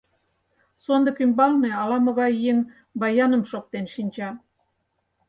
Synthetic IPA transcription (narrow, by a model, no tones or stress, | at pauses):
sond̪ɤ̆kymbɑlneɑlɑmɤ̆ɣɑjeŋ | bɑjɑnə̆mʃok̚t̪enʃinʲt͡ɕɑ